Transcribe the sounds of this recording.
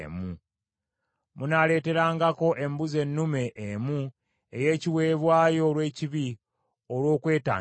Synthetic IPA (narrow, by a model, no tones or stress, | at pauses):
mu | munale̞ːte̞ɾaːŋɡako̞ʔe̞mbuze̞nːume̞ʔːmu | eje̞ːciwe̞ːβwaːjo̞ːlwe̞ːciβi | olwo̞ːkwe̞ːta̰ː